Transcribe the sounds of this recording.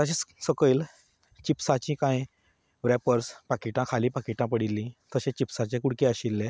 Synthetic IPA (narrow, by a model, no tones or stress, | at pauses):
t̪əɕẽsəkəil | t͡ɕipsat͡ɕĩkãj | ʋɾɛpəɾspakiʈãkʰalĩpakiʈãpəɽilːĩt̪əɕẽt͡ɕipsat͡ɕẽkuɽkeəɕilːe